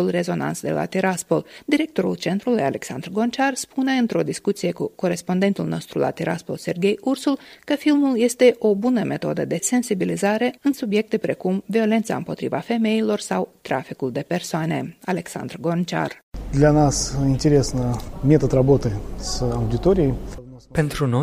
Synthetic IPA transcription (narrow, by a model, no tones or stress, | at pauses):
ulre̞zo̞na̰nt̪sd̪e̞lʔa̰t̪iɾaspold̪iɾe̞k̚t̪o̞ɾult͡ʃe̞nt̪ɾulujale̞̰ksa̰nd̪rɡo̞nt͡ʃarspune̞ɨnt̪ɾo̞d̪iskut̪sije̞kuko̞ɾe̞spo̞nd̪e̞nt̪ulno̞st̪ɾula̰t̪iɾʔaspo̞̰lse̞rɡʲe̞jursulkəfilmulje̞st̪e̞ʔo̞bunəme̞t̪o̞̰d̪əd̪e̞se̞nsibilizaɾe̞ɨnsubje̞k̚t̪e̞pɾe̞kumvio̞le̞nt̪saɨ̰mpo̞t̪ɾḭva̰fe̞me̞ilo̞rsawt̪ɾa̰fikuld̪e̞pe̞rsoane̞̰ale̞ksa̰nd̪rɡo̞nt͡ʃa̰r | d̪lʲanasinʲtʲɪɾʲe̞snəmʲet̪ət̪rɐbo̞t̪ɨsɐwdʲɪt̪oɾʲɪejpent̪ɾuno